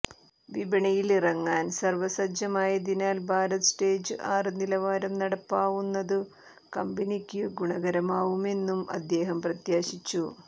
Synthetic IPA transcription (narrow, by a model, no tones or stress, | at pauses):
ʋibɐɳɐjilirɐŋːaːnsɐrʋɐsɐd͡ʑjɐmaːjɐd̪inaːlbʱaːɾɐt̪ɨ̥sʈeːd͡ʑɨʔaːrɨnilɐʋaːɾɐmnɐɽɐpːaːʋunːɐðɨ | kɐmbinikʲːɨɡuɳɐɡɐɾɐmaːʋume̞nːumɐ̰d̪ːe̞ːɦɐmprɐt̪jaːɕit͡ɕːu